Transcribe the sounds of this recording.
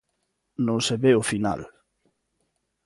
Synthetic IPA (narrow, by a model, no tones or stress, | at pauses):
nõŋseβeʊfina̰l